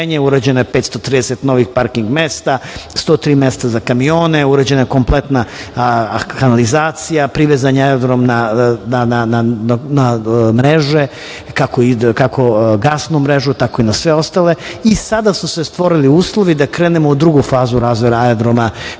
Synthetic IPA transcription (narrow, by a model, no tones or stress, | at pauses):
eɲeuɾad͡ʑe̞noepet̪st̪o̞t̪ɾiːd̪eset̪no̞ʋixpaɾkiŋɡmest̪ast̪oːt̪ɾiːmest̪azakamio̞ːneuɾad͡ʑe̞najekomplet̪na | kanalizaːt̪sijapɾiʋezaɲeaod̪ɾomnananananamɾeʒe̞ | kakoikakʰo̞ɡasnumɾe̞ʒut̪ako̞inasʋe̞o̞st̪ale̞isad̪asusest̪ʋo̞ɾiliuːslˠo̞ʋid̪akɾeːnemoud̪ɾuɡufaːzuɾaːzʋoɾaajd̪ɾoma